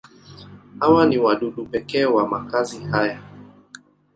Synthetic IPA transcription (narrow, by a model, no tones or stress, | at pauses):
hawaniwaɗuɗupɛkɛːwamakazihaja